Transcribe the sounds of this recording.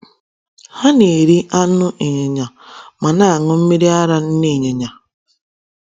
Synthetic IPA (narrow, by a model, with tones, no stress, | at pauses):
ha˦ne˨ɾi˦ʔa˦nʊ˦ʔe˨ɲe˨ɲa˨ | ma˨na˦a˨ŋʊ˦m̩˦me˦ɾi˦a˦ɾa˦n̩˦ne˦˨ɲe˨ɲa˨